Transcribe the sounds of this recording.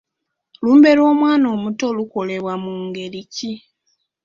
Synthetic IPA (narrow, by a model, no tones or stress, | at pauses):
luːmbe̞ɾo̞ːmwaːno̞ːmuto̞luko̞le̞βwamuŋɡe̞ɾici